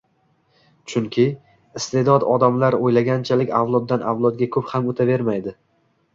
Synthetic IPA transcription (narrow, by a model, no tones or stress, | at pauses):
t͡ʃʰʊŋkʲʰɪ | ɪst̪e̞d̪ɒd̪ɒd̪amlaɾojlaɡʲant͡ʃʰalɪkʲawlˠɒd̪ːanawlˠɒd̪̚ɡʲakʰɵphamot̪ʰave̞ɾmajd̪ɪ